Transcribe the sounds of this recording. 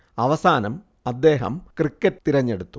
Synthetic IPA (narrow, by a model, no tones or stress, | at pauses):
ɐʋɐsaːnɐm | ɐd̪ːe̞ːɦɐ̰mkrikːɐtt̪iɾɐɲːe̞ɽut̪ːu